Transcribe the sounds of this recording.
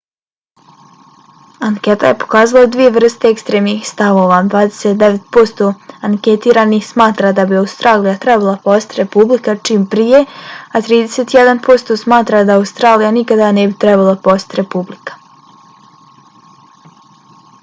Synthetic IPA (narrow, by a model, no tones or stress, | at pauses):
aŋket̪a̰jepo̥kaːzalˠad̪ʋije̞ʋr̩st̪eekst̪ɾeːmnixst̪aʋo̞ːʋad̪ʋaːd̪e̥set̪̚d̪eʋe̞t̪po̞st̪o̞aŋkʲe̞t̪iːɾanixsmaːt̪ɾad̪abiaust̪ɾaːlijat̪ɾɛbalˠapost̪ɾe̞publikat͡ʃiːmpɾije̞at̪ɾiːd̪e̞set̪ijed̪anpo̞st̪osmaːt̪ɾad̪aːwust̪ɾaːlijanikad̪anebit̪ɾɛbalˠapost̪ʲɾe̞publikḁ